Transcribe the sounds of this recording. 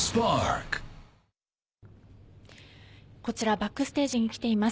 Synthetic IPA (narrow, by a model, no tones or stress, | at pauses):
spɑɹk | ko̞t͡ɕiɾabakːɯ̟sɨ̥t̪e̞ːʑiɲ̟ikʲi̥t̪e̞ima